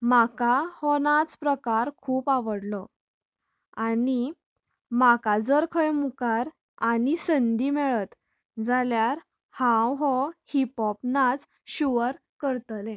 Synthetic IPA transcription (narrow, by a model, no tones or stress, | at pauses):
makahɔnat͡spɾəkaɾkʰuːpaʋəɽlɔ | ani | makad͡zəɾkʰəjmukaɾ | anisənd̪imɛɭət̪ | d͡zaljaɾ | hãwɦɔhipɔpnat͡s | ɕuʋəɾ | kəɾt̪lẽ